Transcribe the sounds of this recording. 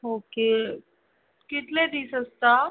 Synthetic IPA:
ɦoːke | kɪt̪led̪isɐst̪aː

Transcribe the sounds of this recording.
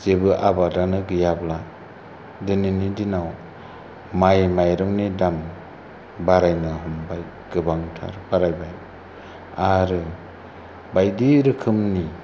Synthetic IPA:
z̥ebɯʔabadanɯɡɯjabla | dɯninidinaw | majmajɾɔŋnidam | baɾajnɯɦɔmbaj | ɡ̥ɯbaŋtʰa̰ɾbaɾajbaj | aɾɯ | bajdiɾɯkʰɯmni

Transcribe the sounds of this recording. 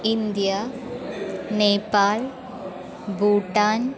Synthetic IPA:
ɪnd̪ja | neːpːaːl | buːʈːaːn

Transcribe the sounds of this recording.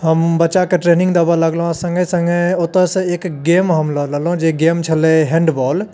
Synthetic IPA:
ɦəmbətːt͡ʃakeʈɾeːnĩŋɡd̪abaləɡlɦõsə̃ŋɡesə̃ŋɡeot̪əsə̃eːkɡeːmɦəmlələlõd͡ʒeɡeːmt͡ʃʰəleɦẽɳɖbɔːl

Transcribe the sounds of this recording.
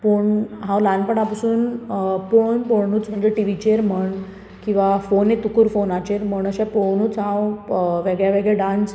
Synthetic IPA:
poɳɦãwlanpəɳapasuːnpoɳpoɳuːt͡sm̤əɳd͡ʑeʈiʋit͡ɕeɾm̤əɳ | kĩw̃ʋafonet̪ukuɾfonat͡ɕeɾm̤əɳəɕapoɳuːt͡sɦãwʋeɡɭjaʋeɡɭɛɖãnt͡s

